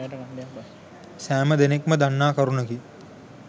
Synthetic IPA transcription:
sæːməd̪enekməd̪anːaːkɐɾunəki

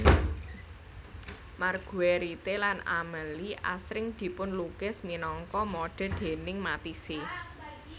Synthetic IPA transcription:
marɡ̥ṳeɾit̪elana̰məliʔa̰sɾɪŋd̪̥i̤pʊnlukɪsminɔŋkɔmoɖ̥ɛ̤d̪̥e̤nɪŋmat̪ise

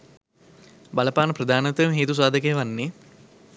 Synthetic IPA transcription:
bɐlɐpaːnəpɾɐd̪ʱaːnɐt̪ɐjmɦeːt̪us̬aːd̪ʱək̬ejʋanːe

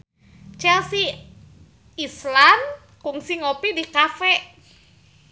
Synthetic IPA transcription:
t͡ʃɛlsi | islan | kuŋsiŋopidikafɛʔ

